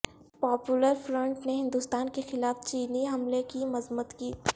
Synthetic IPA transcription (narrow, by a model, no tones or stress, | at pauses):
pɔːpjuləɾfɾə̃ɳʈneɦɪ̃nd̪ust̪aːnkexɪlaːft͡ʃiːniɦɐmlekimɐzmət̪kiː